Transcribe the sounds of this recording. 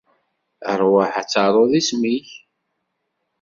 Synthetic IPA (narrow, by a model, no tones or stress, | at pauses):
əɾˤwəħat͡sːɑɾˤoðismiç